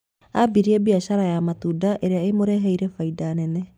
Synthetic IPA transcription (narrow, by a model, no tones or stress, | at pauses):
abiɾiɛbiaɕaɾajamatudaʔeɾeaemoɾɛɦɛiɾɛfaidaːnɛnɛ